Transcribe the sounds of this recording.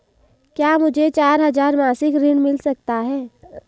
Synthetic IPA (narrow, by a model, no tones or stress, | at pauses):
kjaːmʊd͡ʒʱet͡ʃaːɾɦɐzaːɾmaːsɪkɾɪɳmɪlsɐk̚t̪aɦɛː